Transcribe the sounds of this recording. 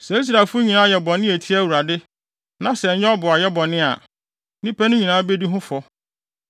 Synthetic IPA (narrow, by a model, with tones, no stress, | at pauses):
sɛ˨˦i˦s̬ɾa˨fʊ˦ɲĩ˨nãː˦jɛ˨bɔ˨nɪ̃˦æ˨tʰi˦æ˦˨wu˨ɾa˨dɪ˦ | nã˦sɛ˨ɲɛ̃˦ɔ˦bʊ˨a˨jɛ˦bɔ̃˨nɪ̃˦a̰˨ | nĩ˦pæ˦nʊ̃˦ɲĩ˨nãː˨˦be˦di˦ɦʊ̃˦fɔ˦